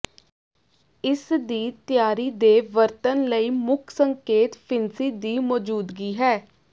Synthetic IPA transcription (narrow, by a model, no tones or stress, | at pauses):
ɪsd̪iːt̪ɪjaːɾiːd̪eːʋəɾt̪ənləiːmʊkʰsəŋkeːt̪pʰɪnsiːd̪iːmɔːd͡ʒuːd̪ɡiːɦɛː